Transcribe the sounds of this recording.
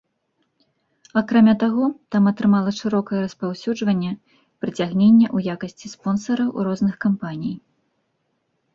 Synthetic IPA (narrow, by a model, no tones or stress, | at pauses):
akɾamʲat̪aɣɔt̪amɐt̪ɾɨmalˠɐʂɨɾɔkɐjɛɾɐspawsʲud͡ʐvɐnʲːɛ | pɾɨt͡sʲaɣnʲenʲːɛʔujakɐsʲt͡sʲispɔnsɐɾɐwrɔznɨxkampanʲij